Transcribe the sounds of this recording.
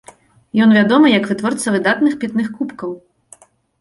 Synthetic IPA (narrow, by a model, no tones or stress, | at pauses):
jɔnvʲad̪ɔmɨjɐkvɨt̪vɔrt̪sɐvɨd̪at̪nɨxpʲit̪nɨxkupkɐw